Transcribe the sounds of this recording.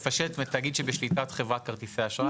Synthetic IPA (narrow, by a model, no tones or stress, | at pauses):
faʃelet̪met̪aɡid̪ʃebeʃlitat̪χevʁat̚kaʁt̪iseaʃa